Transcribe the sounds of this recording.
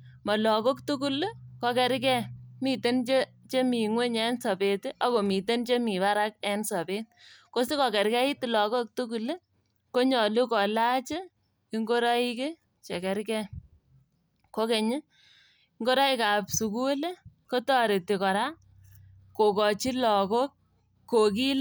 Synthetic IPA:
mɔ˨lɔ˨ko˦ktu˦ku˦lkɔ˦kɛ˦ɾk̬ɛ˦mi˨te˦nt͡ʃe˦ | t͡ʃe˦mi˨ŋwe˦ɲɛ˦nsɔ˨be˨tʔɔ˦ko˨mi˨te˦nt͡ʃe˦mi˨ba˦ɾa˦k̚ɛ˦nsɔ˨be˦tko˦si˦kɔ˨kɛ˨ɾkɛ˦ɪ˦ti˨lɔ˨ko˦k̚tu˦k̬u˨l | ko˦ɲɔ˨lu˦kɔ˨la˦t͡ʃɪ˦ | i˦ŋɡo˦ɾɔ˦i˦kɪ˦ | t͡ʃe˨kɛ˨ɾkɛ˦ | ko˦ke˨ɲɪ˦ | iŋɡo˦ɾɔ˦i˦ka˨psu˨ku˦le˦ko˦tɔ˦ɾe˨ti˨kɔ˨ɾa˦ | ko˨kɔ˨t͡ʃi˦lɔ˨ko˦kː | o˨k̬i˦l

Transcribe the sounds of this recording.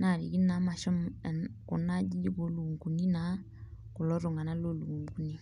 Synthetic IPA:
na˨ɾḭ˨ki˦na˨˦ma˨ʃɔ˦m˨nkʊ̰˨na˦d͡ʒi˦d͡ʒi˦bo˨˦lu˨ŋku˨ni˦na˨˦ | kʊ˨lɔ˦ɾo˨ŋa˨na˦lo˦˨lu˨ŋku˨ni˦

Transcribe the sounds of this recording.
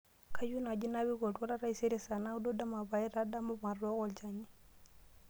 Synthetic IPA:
kʰa˦ju˦na˨d͡ʒi˦na˦βi˦ɡo˨twa˦ɾa˦ɾa˦i˦se˦ɾi˦sa˨na˦u˦do˦da˦ma˨ba˨i˦ɾa˦da˦mɔ˦ma˨rɔ˦ɣɔ˦lt͡ʃa˨ɲi˦

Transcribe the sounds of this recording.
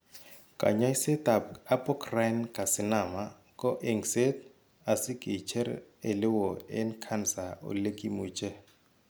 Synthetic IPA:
kʼa̰˨ɲa˦i˦sɛ˦tʼa˨pa˦pʼɔ˦kʰra˦nkʼa˨sɪ˨na˨ma˦ | kʼɔ˦ʔɛ˦ŋse˦t | a˨si˦ɡʱi˨t͡ʃʰɛ˦re˨lɪ˦wɔɛ˦nkʰa˦nsa˨ṵ˦le˦kʼi˦muːt͡ʃʼɛ˦

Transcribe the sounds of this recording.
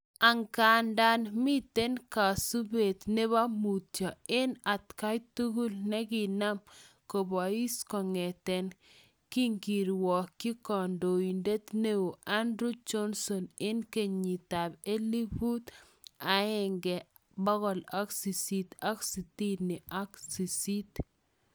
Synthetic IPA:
a˨ŋka˨nda˦nmi˦t̪e˦nka˨su˦be˨t̪ne˦βa˦mu˨tjɔ˨ɪ˦na˨t̪ka˦jtu˦ɡu˦lnɛ˦ɡi˨na˦m | ko˨bɔ˨i˦skɔ˨ŋɛ˨t̪ɛ˨n | ki˦ŋɡi˨ɾwɔ˨kːi˦kɔ˨ndo˨i˨nde˦t̪ne˦o˨ʔa˦ndɾu˦d͡ʒɔ˦nsɔ˨nɪ˦nke˨ɲɲi˨t̪a˨be˦li˦bu˦t̪ | a˨ɪ˨ŋɡɛ˨ | bɔ˦ɡɔ˨la˦ksi˨si˨t̪a˦ksi˨ti˦nɪ˨ʔa˦ksi˨si˦t

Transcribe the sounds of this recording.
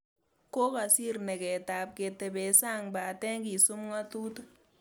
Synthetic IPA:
ko˦ka˨si˦ɾnɛ˨kɛ˨taː˨p̚ke˨tɛ˨bɛ˨sa˦˨ŋbaː˨tɛ˦ŋki˨su˦mŋa˦tuː˦t

